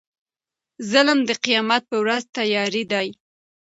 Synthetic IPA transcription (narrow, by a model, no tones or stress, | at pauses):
zəlmd̪əqijɑmat̪̚pəwɾazt̪ajɑɾid̪ɑj